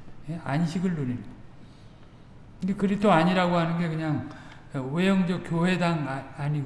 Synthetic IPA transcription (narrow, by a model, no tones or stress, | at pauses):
je̞anɕʰiɡɯɭːoɾimo | ɯnɡekɯɾitʰoaɲiɾaɡoɦanɯnɡe̞kɯɲaŋ | wejʌŋd͡ʑʌkjowe̞daŋaɲiɡ